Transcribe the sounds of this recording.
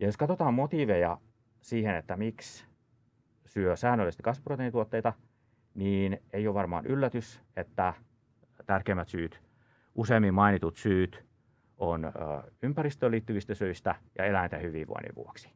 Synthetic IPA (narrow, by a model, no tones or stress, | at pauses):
jɑjoskɑt̪ot̪ɑːmmot̪iʋejɑ | siːhenet̪ːæmiks | syøsæːnːølːˑest̪kɑsʋuprot̪eːˑnit̪uot̪ːeit̪ɑ | niːneijoʋɑrmɑ̰ːnʔylːæt̪yset̪ːæ | t̪ærkeimːæt̪syːt̪ | ʔuseːmːimmɑinit̪ut̪syːt̪ | onø̰ympærist̪øːlːˑiːt̪ːyʋist̪æsøist̪æjɑ̰elænit̪æhyʋḭːʋʋo̰inḭʋʋṵoksi̥